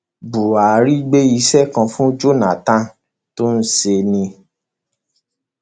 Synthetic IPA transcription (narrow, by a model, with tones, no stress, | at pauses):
bu˨a˨ɾi˦ɡ͡be˦i˧sɛ˦˨kã˧fũ˦d͡ʒo˦nã˨tã˦ | to˦n̩˦se˧nĩ˧